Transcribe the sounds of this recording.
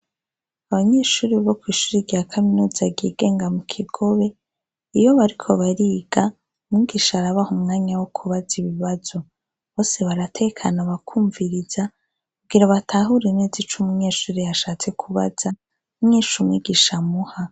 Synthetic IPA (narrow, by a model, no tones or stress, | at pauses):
aβaɲe̞ːʃuːɾiβaβokwiːʃuːɾiɾɟakʰaminuːzaɡiɡe̞ːŋɡamukʰiɡ̥o̞βe̞ | ijo̞βaɾikʰo̞βaɾiːɡ̥a | mŋiːɡiʃaːɾaβahumŋaːɲawokʰuβaziβiβaz̥o̞ | βo̞ːse̞βaɾatʰe̞kʰanaβakʰuːɱviɾiz̥a | kuɡiɾaβatʰaɦuɾenezit͡ʃumuɲe̞ːʃuːɾijaʃaːt͡se̞kʰuβa̰z̥a | uɲeːʃumŋiːɡiʃamuha